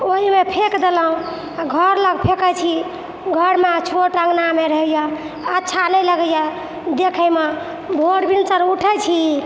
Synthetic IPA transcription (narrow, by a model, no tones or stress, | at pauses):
oɦimepʰekd̪eləɦũ | ɡʱəɾləɡpʰekət͡ʃʰi | ɡʱəɾmet͡ʃʰoʈə̃ŋɡnameɾəɦəja | ətːʃʰanəjləɡəja | d̪ekʰəjme | bʱoɽbinsəɾuʈʰət͡ʃʰi